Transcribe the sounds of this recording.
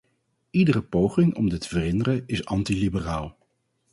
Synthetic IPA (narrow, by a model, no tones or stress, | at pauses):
idərəpowχɪŋɔ̰mdətəvərɪndərəɪsɑntilibəraːlˠ